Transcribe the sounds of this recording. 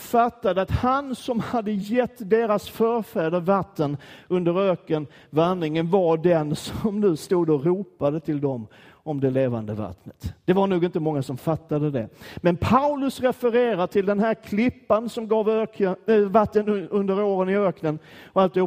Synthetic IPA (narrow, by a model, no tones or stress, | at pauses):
fat̪ːad̪əat̪hansɔmhad̪ːəjɛt̪ːd̪eːɾasfœɾfæːɖəɾvat̪ːənɵnd̪əɾøːkən | vanːɪŋənvaɖɛnsɔmnʉ̟ːst̪uːd̪ɔɾuːpad̪ət̪ʰɪld̪ɔm | ɔmd̪ɛleːva̰nd̪əva̰t̪nət̪d̪̥ɛvaɾɳuːɡɪnt̪əmɔŋːasɔmfat̪ːad̪əd̪ɛmɛnpʰaʊlɵsɾɛfəɾeːɾaʈʰɪld̪ɛnɦæːɾkʰlɪpːansɔmɡɑːvøːəvat̪ːənɵnd̪əɾoːɾənɪøːknənɔalt̪ɪhʊ